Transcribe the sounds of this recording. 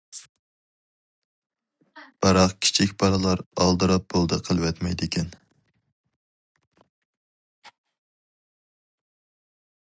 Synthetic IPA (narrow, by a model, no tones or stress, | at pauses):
b̥ɑɾɑqkʲʰi̥t͡ʃʰikʲbɑɾɨlˠɑɾɑ̰lˠd̪ɨɾɑp̚bolˠd̪ɨqʰəlˠwɛt̪mɛjd̪ɪkʲʰɛn